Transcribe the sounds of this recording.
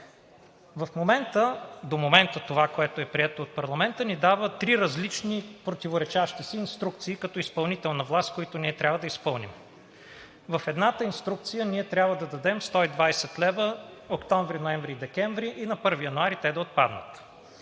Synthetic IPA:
vɐfmomɛnt̪əd̪omomɛnt̪ət̪ovakoɛt̪oɛpɾiɛt̪oːt̪̚pɐɾlˠɐmɛnt̪ənid̪avət̪ɾiɾɐzlit͡ʃnipɾot̪ivoɾɛt͡ʃaʃt̪isiːnst̪ɾuk̚t̪siːkɐt̪ɔispɐlˠnit̪ɛlˠnɐvlˠast̪koit̪oniɛt̪ɾʲabvəd̪ɐispɤlˠnḭm | vɐfɛd̪nat̪əinst̪ɾuk̚t̪sijəniɛt̪ɾʲabvəd̪ɐd̪ɐd̪ɛmst̪ɔid̪vajsɛt̪lɛbəokt̪ɔɱvɾinoɛmvɾid̪ɛkɛɱvɾiʔinɐpɤɾvijɐnoaɾit̪ɛd̪ɐot̪̚pa̰d̪nə̰t̪

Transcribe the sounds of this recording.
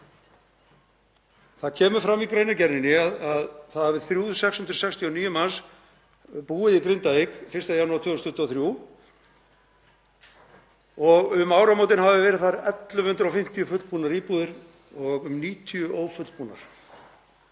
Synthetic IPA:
θaðcʰɛːmʏɾfɾamikɾejnacɛɾnɪnɪaðaðθaðhavɪðθɾjuːsɛkshʏnt̪ɾʏ̥sɛkst̪ʰiɔniːjʏmas | puːɪðikɾɪnt̪aekfɪɾ̥st̪aðjanuaɾt̪ʰvœːst̪ʰʏht̪ːɔθɾjuː | ɔɣʏmaːwɾamoːwt̪̬ɪnhavɪvɛːɾɪðθaɾɛt̪lʏmhʏnt̪ɾawfɪm̥t̪ijʏfʏt̪lpuːnaɾiːpuːðɪɾ | ɔɣʏmniːt̪ʰiʏʔoːwfʏt̪l̥puːna̰ɾ̥

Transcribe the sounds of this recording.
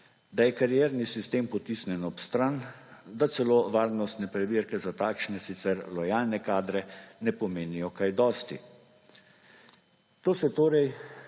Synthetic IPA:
d̪ajɛkaɾijeːɾnisist̪eːmpɔt̪isnɛnɔpst̪ɾand̪at̪sɛloːʋaːɾnɔst̪nɛpɾɛʋiɾkɛzat̪aːkʃnɛsit̪sɛɾlɔjaːlnɛkaːd̪ɾɛnɛpɔmeːnijɔkajd̪ɔːst̪ḭ | t̪oːsɛt̪oːɾɛj

